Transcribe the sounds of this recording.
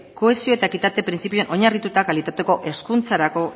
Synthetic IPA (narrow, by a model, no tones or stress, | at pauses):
ko̞e̞sio̞e̞t̪aekit̪at̪e̞pɾint͡sipioenʔo̞ɲarit̪ut̪akalit̪at̪e̞ko̞ʔe̞skunt͡saɾako̞